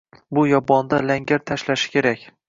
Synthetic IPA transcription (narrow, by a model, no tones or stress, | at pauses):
bʊjɒbɒnd̪alaŋɡʲaɾt̪ʰaʃlaʃɪ̥kʲʰe̞ɾakʲ